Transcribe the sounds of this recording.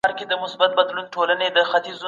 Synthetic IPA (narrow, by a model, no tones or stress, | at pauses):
ɑɾked̪əmʊsbat̪̚bad̪lunʈolaned̪əxat̪iz